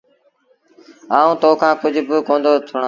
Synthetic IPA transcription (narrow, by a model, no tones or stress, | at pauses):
aːũːt̪oːkʰãːkʊd͡ʑʱbɪkõːnd̪oːt̪ʰʊɽ